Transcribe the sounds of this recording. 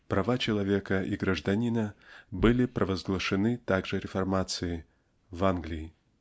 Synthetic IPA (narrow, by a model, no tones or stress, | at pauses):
pɾʔɐvat͡ɕɪlˠɐvʲekəʔiɡɾəʐd̪ɐnʲinəbɨlʲɪpɾʔəvəzɡlˠəʂɨnɨt̪aɡʐɨɾʲɪfɐrmat̪sɨjɪ | vanɡlʲɪɪ